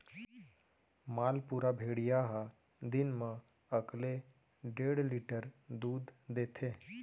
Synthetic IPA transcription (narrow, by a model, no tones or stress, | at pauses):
maːlpuɾabʱeːɽijaɦa | d̪ɪnmə̃ | əkle | ɖeːɽliʈəɾd̪uːd̪ːeːt̪ʰeː